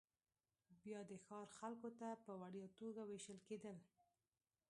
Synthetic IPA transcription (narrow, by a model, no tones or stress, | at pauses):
bjɑd̪əxɑɾxalkot̪apəwaɽjɑt̪oɡaweʃəlked̪əl